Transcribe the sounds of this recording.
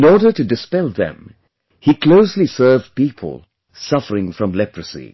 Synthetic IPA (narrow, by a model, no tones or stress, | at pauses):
ɪ̃nɔɹɾə˞ɾɨdɨspɛlˠðɨ̰̃m | ikʰl̥oʊslisɜ˞vpipʰə̰l̩ˠ | sʌfə˞ɪ̃ŋfɹʌ̃mlɛpʰɹɨsḭ